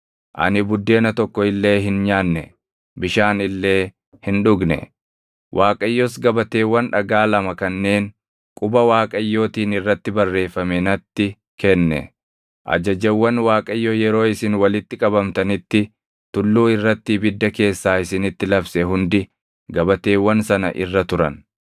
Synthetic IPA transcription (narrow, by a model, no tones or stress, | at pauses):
ʔɐ̰nɪbʊd̪ːe̞ːnɐt̪ɔkːɔɪlːe̞ːɦɪnɲaːnːɛ | bɪʃaːnɪlːe̞ː | hɪnᶑʊɡnɛ̰ | wʔaːkʼɐjːɔs̬ɡɐbɐt̪e̞ːwːɐnᶑɐɡaːlɐmɐkɐnːe̞ːn | kʼʊbɐwaːkʼɐjːo̞ːt̪iːnɪrːɐt̪ːɪbɐrːe̞ːfːɐmɛnɐt̪ːɪ | kɛnːɛ̰ | ʔɐ̰d͡ʒɐd͡ʒɐwːɐnwaːkʼɐjːojɛɾo̞ːɪsɪnwɐlɪt̪ːɪkʼɐbɐmt̪ɐnɪt̪ːɪ | t̪ʊlːuːɪrːɐt̪ːɪbɪd̪ːɐke̞ːsːaːɪsɪnɪt̪ːɪlɐbsɛɦʊnd̪ɪ | ɡɐbɐt̪e̞ːwːɐnsɐnɐ̰ʔɪ̰rːɐt̪ʊɾɐ̰n